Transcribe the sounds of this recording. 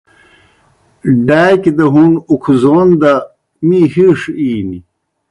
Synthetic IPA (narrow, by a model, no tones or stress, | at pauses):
ɖaːkid̪ɐɦunukʰuzoːnd̪a | mihiʂiːni